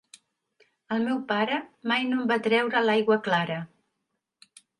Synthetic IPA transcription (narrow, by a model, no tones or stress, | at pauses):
əlˠmɛwpaɾəmajnombat̪ɾɛwɾəlajɣwəklaɾə